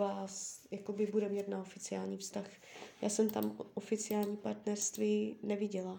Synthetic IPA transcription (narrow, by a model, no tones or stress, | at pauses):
vaːsjakobɪbudɛmɲɛt̪naofɪt͡sɪaːlɲiːfst̪ax | ja̰ːsɛmt̪amʔofɪt͡sɪaːlɲiːpaɾt̪nɛɾst̪viːnɛvɪɟɛla